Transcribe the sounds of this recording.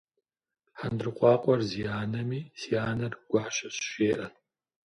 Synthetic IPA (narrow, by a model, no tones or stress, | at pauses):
ħandrɨqʷʼɑːqʷʼɔrzijaːnɐmiːsijaːnɐrɡ̥ʷɑːʃɐɕʃeːʔɐ